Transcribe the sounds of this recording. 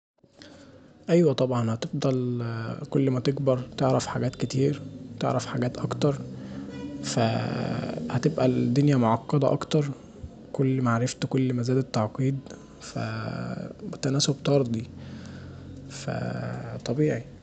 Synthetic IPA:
ʔæjwæt̪ˤɑbʕɑnhæt̪efd̪ˤɑlkolːmæt̪eɡbɑɾˤt̪eʕɾæfħaɡæːt̪ket̪iːɾt̪ḛʕɾæfħaɡæːt̪ʔɑkt̪ɑɾˤ | fæ̰ | hæt̪ebʔæld̪ːonjæmoʕɑqːɑd̪ˤɑʔɑ̰kt̪ɑɾˤ | kolːmaʕɾeft̪kolːmæzæːd̪et̪ːɑʕqiːd̪ | fæ̰ | bet̪ænæːsobt̪ɑɾˤd̪ˤi | fæ̰t̪ˤɑbiːʕi

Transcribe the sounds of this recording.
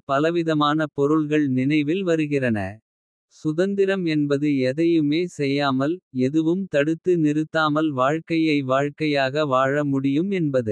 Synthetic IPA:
pɐlɐʋɪðɐmaːnɐpɔɾɯɭɣɐɭnɪnɐɪʋɪlʋɐɾɯɣɪrɐnɐ̰ | sʊðɐnd̪ɪɾɐmɛnbɐðɯɛðɐjɯmeːsɛjːaːmɐlɛðɯʋɯmt̪ɐɽɯt̪ːɯnɪɾɯt̪ːaːmɐlʋaːɻkɐjɐɪʋaːɻkɐjaːɣɐʋaːɻɐmʊɽɪjɯmɛnbɐðɯ

